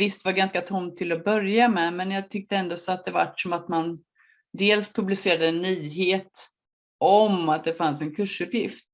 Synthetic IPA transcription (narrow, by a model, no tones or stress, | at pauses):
vɪst̪vaɾɡanskat̪ʰɔmt̪ʰːɪlɔbœɾjamɛmɛnjɑːɡ̚t̪ʰʏk̚t̪əɛnd̪osɔat̪̚d̪ɛva̰ʈːsɔmat̪man | d̪eːlspʰɵblɪseːɾad̪əɛnːyːɦeːt̪ | ʔɔmat̪̚d̪ɛfansɛnkʰɵʂɵpjɪft̪